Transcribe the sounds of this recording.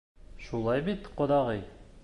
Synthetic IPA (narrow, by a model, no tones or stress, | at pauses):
ʃulˠɑjbit̪qŏd̪ɑʁɤj